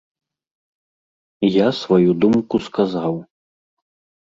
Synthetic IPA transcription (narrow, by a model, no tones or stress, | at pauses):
jasvajud̪umkuskazaw